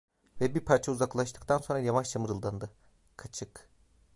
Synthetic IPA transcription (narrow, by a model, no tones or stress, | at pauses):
vɛbiɾpʰaɾt͡ʃʰauzaklˠaʃt̪ʰɯ̥kt̪ʰanso̞nɾajamaʃt̪ʰamɯɾɯlˠd̪and̪ɯ | kʰat͡ʃʰɯk